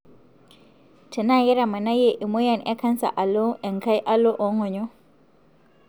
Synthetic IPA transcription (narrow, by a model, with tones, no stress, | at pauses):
tɛ˨na˦˨jɛ˦ɾa˨ma˨na˦je˦˨ʔi˨mo˦ja˦˨nɛ˦ka˦nsa̰˨ʔa˨lɔ˦ɛ˨ŋka˦jʔa˦lɔ˦ʔɔ˨˦ŋɔ˨ɲɔ˦